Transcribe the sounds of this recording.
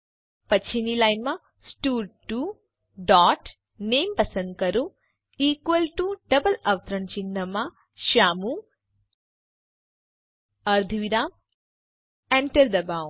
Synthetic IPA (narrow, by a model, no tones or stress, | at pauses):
pɐt͡ʃʰinilajnma | sʈuːɾʈːu | ɖaːʈ | neːmpɐsɐ̃nd̪̚kɐɾu | iːkʋɐlʈuɖɐbɐlɐʋt̪ɾɐɳt͡ʃind̪ɐma | ʃaːmu | ɐɾd̪ʱuʋiɾaːm | eɳʈɐɾd̪ɐbaːw̃